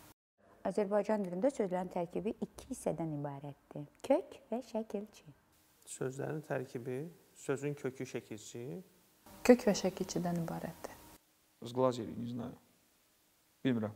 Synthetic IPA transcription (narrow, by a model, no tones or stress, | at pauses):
ɑzæɾbɑjd͡ʒɑnjyɾynd̪æsø̞zlæɾint̪ʰæɾcʰibiʔicʰihisɛd̪ænibaːɾɛt̪ːicʰøcvɛʃæcʰilʲt͡ʃʰi | søzlæ̰ɾint̪ʰæɾcʰibi | søzyncʰøcʰyʃæcʰilʲt͡ʃʰi | cʰøcvɛʃæcilt͡ʃʰid̪ænibɑːɾɛt̪ːi̥ | ɯzɡlˠɑzeɾḭnizna̰ | b̥ilʲmiɾæm